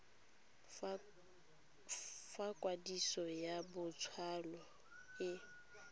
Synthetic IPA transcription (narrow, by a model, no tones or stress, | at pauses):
fakʼwadisɔjabʊt͡sʰwalɔ | jɪ